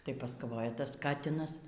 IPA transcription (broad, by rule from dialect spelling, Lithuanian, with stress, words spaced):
tɐɪ pɐskɐˈʋoːjɛ tɐs ˈkɑːtʲɪnɐs